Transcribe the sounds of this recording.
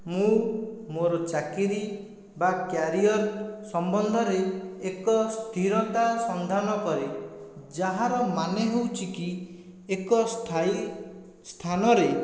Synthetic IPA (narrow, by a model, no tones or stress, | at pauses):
mũmoɾɔt͡ʃakiɾi | bakjaɾiɔɾsɔmbɔnd̪ʱɔɾeːkɔst̪ʰiɾɔt̪asɔnd̪ʱanɔkɔɾed͡ʒaɦaɾɔmaneɦewt͡ʃʰiki | ekɔtʰ | st̪ʰanɔɾe